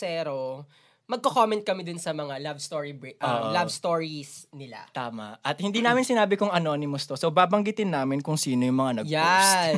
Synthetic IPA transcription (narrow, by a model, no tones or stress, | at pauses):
sɛːɾo | mɐɡ̚kokomɛnt̪̚kɐmɪd̪ʊnsɐmɐŋalabst̪oːɹibʔɐːʔolabst̪oːɹisnɪla̰t̪aːmɐ̰ʔʔɐt̪̚hɪnd̪iːnaːmɪnsɪnaːbɪkʊŋɐnoːnɪmost̪osowbaːbɐŋɡɪt̪ɪnːaːmɪnkʊŋsiːnojʊŋmɐŋanɐɡja